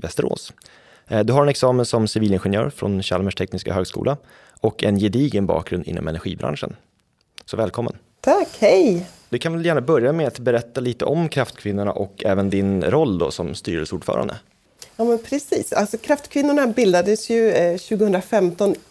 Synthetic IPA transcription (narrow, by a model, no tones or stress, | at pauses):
vɛst̪əɾo̰ːs | d̪ɵɦaɾɛnɛksɑːmənsɔmsɪviːlɪnɧɛnjœ̰ːɾfɾɔ̰nɕalməʂʈʰɛknɪska̰ɦøːɡskṵːla | ʔɔkːɛnjɛd̪iːɡənbɑ̰ːk̚ɡɾɵnd̪ɪ̰nːɔ̰mɛnæɾɧḭːbɾʔa̰nʂə̰n | sɔvɛːlkʰɔmːə̰n | t̪ʰakhɛj | d̪ɵkʰanvɛljæːɳabœɾjamɛat̪bɛɾɛt̪ːaliːt̪əʔɔmkʰɾaft̪kʰvɪnːʊɳa̰ʔɔkʰɛ̰ːvənd̪ɪnɾɔlːd̪o̰ːsɔmst̪yːɾəsuːɖ̥fœ̰ːɾʔa̰nd̪ə | jɑːmɛnpʰɾɛsiːsalsɔkʰɾaft̪kʰvɪnːʊɳabɪld̪ad̪əsjɵɕʉ̟ːɡəhɵnɾafɛmt̪ɔn